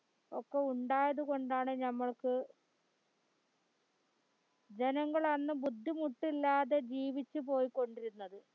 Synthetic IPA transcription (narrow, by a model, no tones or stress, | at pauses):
okːeuɳɖaːjɐðuko̞ɳɖaːɳɨnɐmːɐɭkɨ | d͡ʑe̞nɐŋːɐɭɐnːɨbud̪ʱːimuʈːilːaːðe̞d͡ʑiːʋit͡ɕːupo̞ːjikːo̞ɳɖiɾunːɐðɨ